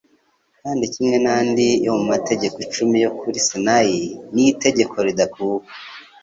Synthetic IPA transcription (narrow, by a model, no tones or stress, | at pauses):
kaːndicimŋe̞naːndijomumate̞ɟe̞kot͡ʃumijo̞kʰuɾisenajinite̞ɟe̞kʰo̞ɾidakuːkḁ